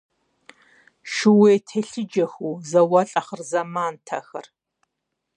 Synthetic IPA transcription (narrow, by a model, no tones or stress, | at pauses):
ʃɪweːtʰeɬɨd͡ʒɐxuːzɐwɐɬʼɐχərzɐmaːntʰɐxɐr